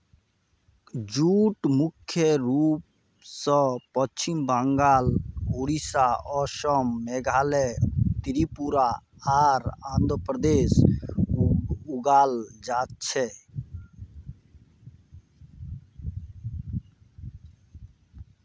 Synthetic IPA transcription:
d͡ʒuʈmukʰːjeɾup | sə̃pɔt͡ʃimbəŋɡaːluɾisaʔɔʃɔmːɛɡʱaːlɛt̪iɾipuɾa | aɾãnd̪ɾpɾəd̪es | uɡaːld͡ʒaːt̪̚t͡ʃʰɛ

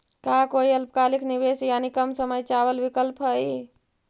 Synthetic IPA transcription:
kakoiəlpkalikniβesjanikəmsəməjt͡ʃawəlbikəlpɦəj

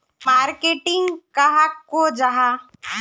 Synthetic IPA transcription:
maːɾkeːʈɪ̃ŋɡkaɦakːod͡ʒaɦa

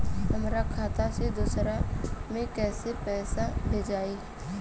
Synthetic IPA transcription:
ɦəmɾakʰaːt̪ased̪uːsɾamẽkɛːsepɛːsabʱed͡ʒaːiː

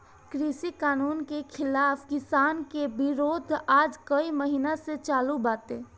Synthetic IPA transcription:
kɾisikaːnuːnkekʰɪlaːpʰkɪsaːnkebɪɾoːd̪ʱaːd͡ʒkəiməɦinaset͡ʃaːlubaːt̪e

